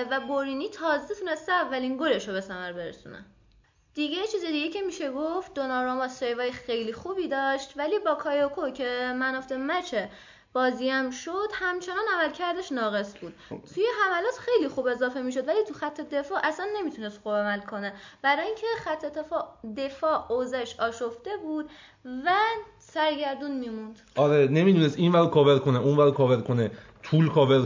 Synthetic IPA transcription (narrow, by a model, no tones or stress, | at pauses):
væboɾiːniːt̪ʰɒːzet̪ʰune̞st̪eævːæliŋɡoɾeʃobe̞sæmæɾbe̞ɾḛsṵnḛ | d̪̥iɡejet͡ʃʰiːzed̪iɡecʰe̞miːʃe̞ɡoft̪̚d̪onɒɾomɒsɾejvɒːjexe̞jliːxubiːd̪ɒːʃt̪væliːbɒːkʰɒːjɒkʰocʰe̞mænɔft̪emæt͡ʃʰe | b̥ɒːziæmʃod̪̥hæmt͡ʃʰe̞nɒːnæmælcʰæɾd̪eʃnɒːɣe̞sbuːd̪̥t̪ʰujeɦæmælɒːt̪xe̞jlixuːbe̞zɒːfe̞miːʃ̬o̞d̪væliːt̪ʰuxæt̪ʰːe̞d̪e̞fɒːʔæsænːe̞miːt̪ʰunest̪xubæmælkʰo̞neb̥æɾɒːjiːŋcʰe̞xæt̪ʰːe̞t̪ʰefɒːd̪e̞fɒːozæʃɒːʃoft̪e̞buːd̪̥ | væ | sæɾɟæɾd̪unmiːmund̪̥ɒɾene̞mid̪unest̪iːnvæɾd̪̚kʰɒːveɾkʰoneunvæɾd̪̚kʰɒːveɾkʰone | t̪ʰuːlkʰɒːveɾ